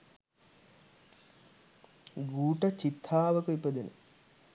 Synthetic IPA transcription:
ɡuːʈət͡ʃit̪ʰːaːʋəkuipəd̪enə̰

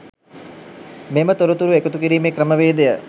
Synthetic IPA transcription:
memət̪oɾut̪uɾuekut̪ukiɾiːmekɾəməʋeːd̪ejə

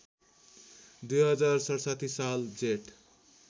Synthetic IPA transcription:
d̪ujɦʌd͡zarsʌɽsʌt̪ʰisald͡zeʈ

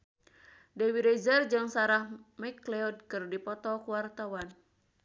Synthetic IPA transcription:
dewiɾɛzərd͡ʒɨŋsaɾahmɛklɛɔd̚kɨrdipɔt̪ɔkuwart̪awan

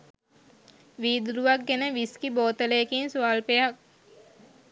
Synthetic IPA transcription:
ʋiːd̪uɾuʋak̚ɡenəʋiskiboːt̪əlejkinsuaːlpejak̚

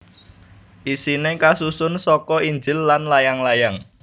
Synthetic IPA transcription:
ʔisinekasusʊnsɔkɔiɲd͡ʒɪlːanlajaŋlajaŋ

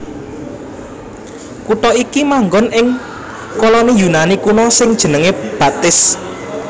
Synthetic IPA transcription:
kuʈ̪ɔikimaŋɡɔnɪŋ | kɔlɔnijunanikunɔsɪŋd̥ʒ̥ə̤nəŋeb̥a̤t̪ɪs

